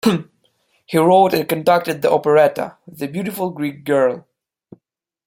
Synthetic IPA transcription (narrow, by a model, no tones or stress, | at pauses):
hiɹoʊɾɨ̃nkɨ̃ntɹak̚tɨd̪̚ðiʔɔpəɹɛtə̰ðɨbjʉɾɪfl̩ˠɡɹik̚ɡ̥ɜ˞lˠ